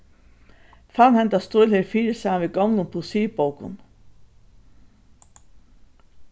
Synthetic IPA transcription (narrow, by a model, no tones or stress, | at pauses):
fanhɛnt̪ast̪ʊʏlheːɾfiːɾɪsaːanviɡɔwnʊmpʰusiːpowkʊ̰n